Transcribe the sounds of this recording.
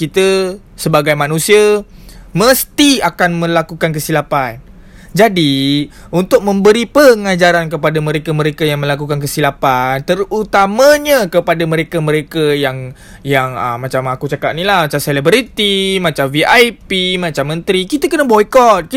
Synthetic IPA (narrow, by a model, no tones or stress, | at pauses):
kit̪ə | səbaɡajmanũsiaməst̪iakanmə̃lakukankəsilapan | d͡ʒadi | unt̪ʊk̚mə̃mbəɾipəŋad͡ʒaɾankəpadamə̃ɾekamə̃ɾekajaŋmə̃lakukank̬əsilapant̪ərut̪amaɲəkəpadamə̃ɾekamə̃ɾekajaŋ | jaŋə̰mːat͡ʃamakut͡ʃakat̪̚nilahmat͡ʃamselibɾit̪imat͡ʃamviʔajpimat͡ʃamːə̃nt̪ɾikit̪əkənəbɔikɔt̪̚k